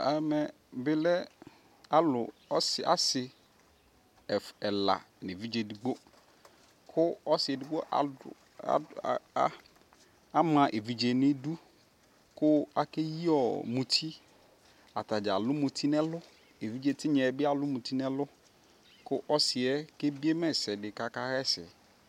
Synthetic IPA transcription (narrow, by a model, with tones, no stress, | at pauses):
a˨mɛ̃˨ | bɪ˦lɛ˦ | a˦lʊ˨ɔ˦sa̰˦sɪ˨ | ɛ˨la̰˨ | nɪ˨vi˦d͡ʒe˨di˨ɡ͡bo˦ | kʰʊ˦ɔ˦sɪ˨ɛ˨di˨˦ɡ͡bo˦ʔa̰˨˦ | a˦mã˨ʔe˨vi˨d͡ʒe˨nɪ̃˦du˦ | kʊ˦a˨ke˦ji˦ɔ˨mũ˨tʰi˦ | a˨ta˨d͡ʒa˨lʊ˦mũ˨tʰi˦nɛ̃˦lʊ˦ | e˨vi˦d͡ʒe˨tʰɪ˦ɲɛ̃˨˦bɪ˦a˨lʊ˦mũ˨ti˦nɛ˦lʊ˦ | kʊ˦ʔɔ˦sɪ˨ɛ˦ke˦bi˦e˦mɛ̃˦sɛ˨dɪ˨ka˨ka˦hɛ˦sɪ̰˨